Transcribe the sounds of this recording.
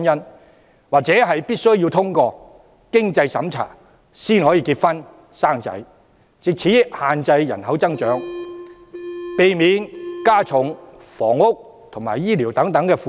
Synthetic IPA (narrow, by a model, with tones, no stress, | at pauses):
njɐ˥n | waː˨˩k̚t͡sɛː˨˥ɦɐ˨jpiː˥t̚sɵ˥ɥjiː˧wt̪ʰʊ˥ŋkɔː˧ | kɪ˥ŋt͡sɐ˧jsɐ˨˥mt͡sʰa̰ː˨˩ | siː˥nhɔː˨˥jiː˧kiː˧t̚fɐ˥n | saː˥ŋt͡sɐ̰˧˥j | t͡sɪ˨k̚t͡sʰiː˨˥jɪ˥k̚haː˨nt͡sɐ˧jjɐ˨˩nhɐ˨˥wt͡sɐ˥ŋt͡ʃœː˨˥ŋ | pe˨jmiː˨˥nkaː˥t͡sʰʊ˨˥ŋ | fɔː˨˩ŋʊ˥k̚ | t̪ʰʊ˨˩ŋma̰ː˨˩jiː˥li˨˩wt̪ɐ˨˥ŋt̪ɐ˨˥ŋkɛː˧fuː˨